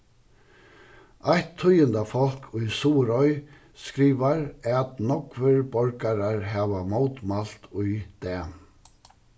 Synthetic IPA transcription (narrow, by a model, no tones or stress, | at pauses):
ajht̪ʰːʊjənd̪afɔl̥kʰʊjsuːɾɔʏ | skɾiːʋaɾɛt̪nɔkʋəɹbɔɾkaɾaɹɦɛːʋamoːwt̪mal̥t̪ʊjd̪̥ɛː